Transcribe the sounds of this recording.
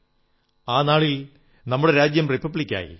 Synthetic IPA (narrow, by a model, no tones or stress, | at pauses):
aːnaːɭil | nɐmːuɽe̞ɾaːd͡ʑjɐmripːɐbɭikʲːa̰ːjḭ